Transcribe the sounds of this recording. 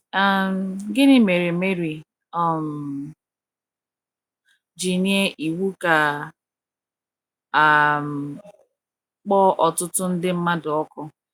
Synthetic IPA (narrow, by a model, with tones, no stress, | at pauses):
a˦˨m̩˨ɡɪ˦ni˦me˨ɾi˨me˦ɾi˨ | ɔ˨m̩˨ | d͡ʒi˨ni˦e˦ʔi˨wu˦ka˨ | a˨m̩˨ | k͡pɔ˦ʔɔ˨tʊ˦tʊ˦n̩˦dɪ˦m̩˦ma˦dʊ˨ɔ˦kɔ˦